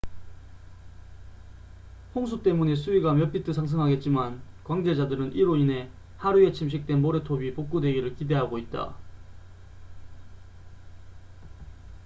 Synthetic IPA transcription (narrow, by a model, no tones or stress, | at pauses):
hoŋsʰut͈e̞mune̞sʰuiɡamjʌp͈ʰitʰɯsʰaŋs̬ʰɯŋɦaɡe̞t̚t͡ɕ͈iman | kwaŋd͡ʑe̞d͡ʑadɯɾɯnʔiɾoine̞ | haɾue̞t͡ɕʰimɕ̬ʰik̚t͈e̞nmoɾe̞tʰobipok͈̚udwe̞ɡiɾɯɭkide̞ɦaɡoit̚t͈a̰